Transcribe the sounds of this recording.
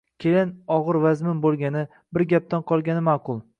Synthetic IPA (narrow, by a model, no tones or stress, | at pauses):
kʲʰelɪnɒʁɨɾvazmɪnbolˠɡʲanɪ | bɪɾɡʲap̚t̪anqʰɒlˠɡʲanɪmaqʰʊlˠ